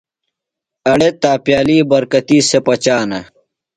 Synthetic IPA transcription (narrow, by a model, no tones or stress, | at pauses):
ɐɽet̪aːpjaːliːbɐɾkɐt̪iːsepɐt͡ɕaːnɐ